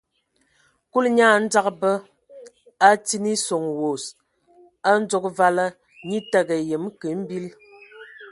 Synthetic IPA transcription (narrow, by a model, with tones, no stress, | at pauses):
ku˦lɲaː˦˨˦n̩˦d͡za˦kbə˦ | a˦ti˦ni˦so˨ŋwo˨s | a˦n̩˦d͡ʒo˦k̚va˦la˦ | ɲi˦ta˦ɡə˨jə˨m˦kə˨˦m̩˦bi˦l